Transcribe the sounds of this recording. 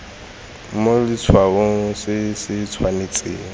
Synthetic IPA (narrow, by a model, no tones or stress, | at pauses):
molɪt͡sʰwaɣoŋ̩sɪsɪt͡sʰwanet͡sʼḛːŋ̩